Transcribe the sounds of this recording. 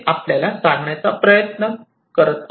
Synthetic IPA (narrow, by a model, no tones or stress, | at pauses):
ʔapljalasaŋɡɳjat͡sapɾəjət̪nə | kəɾət̪